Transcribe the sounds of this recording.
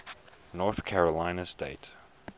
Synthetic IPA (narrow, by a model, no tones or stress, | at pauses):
nɔɹθkʰæɹəlãɪ̃nəsteɪt